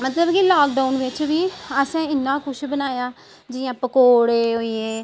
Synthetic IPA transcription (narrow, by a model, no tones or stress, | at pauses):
mət̪ləbkilaːk̚ɖaːʊnʋɪt͡ʃʋiːəsẽːɪnːãːkʊʃbənaːjaː | d͡ʒɪjãːpəkoːɽeːɦoːieː